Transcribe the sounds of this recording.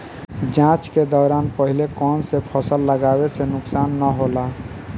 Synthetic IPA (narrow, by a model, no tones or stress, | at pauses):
d͡ʒãt͡ʃked̪ɔːɾanpəɦilekɔnsepʰəsəlːəɡabesenʊksanːəɦola